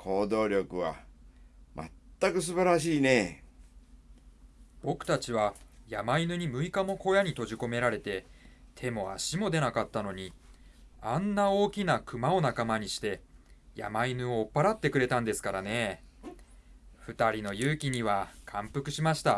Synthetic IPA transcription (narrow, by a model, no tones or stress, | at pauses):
kʰo̞ːd̪o̞ːɾʲo̞kɯ̟βa̰ | mʔa̰t̪ːakɯ̟s̬ɨbaɾaɕ̬iːne̞ | b̥o̞kɯ̟̥t̪at͡ɕiβajamainɯ̟ɲ̟imɯ̟ikamo̞ko̞jaɲ̟it̪o̞ʑiko̞me̞ɾaɾe̞t̪e̞t̪ʰe̞mo̞a̰ɕimo̞d̪e̞nakat̪ːano̞ɲ̟i | anːao̞ːkʲinakɯ̟mao̞nakamaɲ̟iɕi̥t̪e̞ja̰mainɯ̟oːpːaɾat̪ːe̞kɯ̟ɾe̞t̪ãnd̪e̞sɨ̥kaɾane̞ | ɸɯ̟t̪aɾʲino̞jɯːkʲiɲ̟iβakʰãmpɯ̟kɯ̟ɕimaɕi̥t̪a